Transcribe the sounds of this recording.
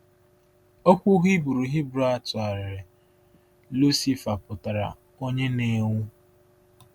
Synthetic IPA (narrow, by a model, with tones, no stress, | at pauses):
o˦kʷu˦ɣi˦bu˨ɾu˨ɦi˦bɾa˦a˦˨tʊ˨a˨ɾɪ˨ | lu˦si˦fa˨pʊ˨ta˨ɾa̰˨ | o˦ɲe˦ne˦ŋʷu˦